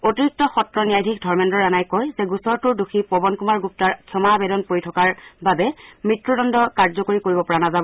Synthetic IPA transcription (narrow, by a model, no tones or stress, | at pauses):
otiɹik̚tɔxɔtɹɔnijajdʱikdʱɔɹmɛndɔɹanajkɔjzɛɡusɔɹtuɹduxipɔbɔnkumaɹɡup̚taɹkʰɔmabɛdɔnpoɹitʰɔkaɹbabɛmɹitɹudɔndɔkaɹzɔkoɹikoɹibɔpɔɹanazabɔ